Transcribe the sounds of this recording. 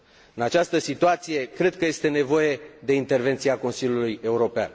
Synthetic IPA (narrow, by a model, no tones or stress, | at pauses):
ɨnat͡ʃast̪əsit̪uat̪sije̞kɾe̞d̪̚kəje̞st̪e̞ne̞vo̞je̞d̪e̞int̪e̞rve̞nt̪sieako̞nsilʲjuluje̞uɾo̞pea̰n